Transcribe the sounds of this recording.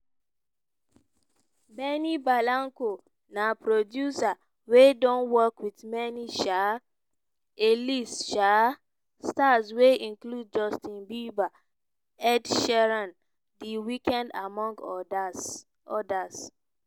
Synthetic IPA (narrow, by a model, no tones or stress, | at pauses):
mɛnibalãŋko | napɾodjusa | wedɔ̃nwɔkwitmɛniʃa | elisʃa | stasweĩnklud̚d͡ʒɔstĩnbiba | ɛdʃɛɹãn | diwikɛ̃ndamɔ̃ŋɡ | ɔdas